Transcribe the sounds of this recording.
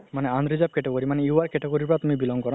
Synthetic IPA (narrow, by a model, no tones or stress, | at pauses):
maneand̪ɾid͡ʑap̚keʈokoɾimanɛiuaɾkeʈokoɾiɾpɔɾat̪umibilɔŋɡkɔɾa